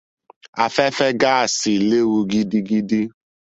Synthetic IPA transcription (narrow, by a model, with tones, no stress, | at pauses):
a˨fɛ˦fɛ˦ɡa˦a˨si˨le˦wu˧ɡi˦di˦ɡi˦di˦